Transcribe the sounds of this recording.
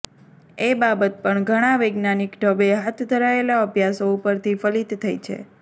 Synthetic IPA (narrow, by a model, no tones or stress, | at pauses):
ebabət̪̚pəɳɡʱəɽ̃aʋəjɡnanikɖʱəbeɦat̪ʰd̪ʱəɾaelaəbʱjasoupəɾt̪ʰifəlit̪ːʰəjt͡ʃʰḛ